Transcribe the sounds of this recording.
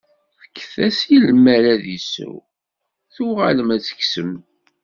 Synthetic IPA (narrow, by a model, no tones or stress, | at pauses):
θə̥kːəθæsjilmːæɾæðisṵw | θuʁaləmæt͡sːə̥ksəm